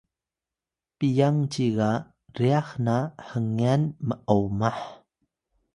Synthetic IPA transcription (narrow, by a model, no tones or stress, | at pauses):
pijaŋt͡ɕiɣa | riaxnaħəŋianməʔowmaħ